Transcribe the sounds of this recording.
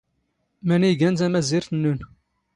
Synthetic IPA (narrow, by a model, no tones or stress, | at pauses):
mæniɡænzæmæzɪɾθənːun